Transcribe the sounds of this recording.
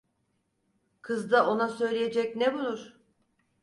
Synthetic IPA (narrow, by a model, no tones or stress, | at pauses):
kʰɯzd̪aʔo̞nasø̞jlʲeje̞d͡ʒɛcnebulˠuɾ̥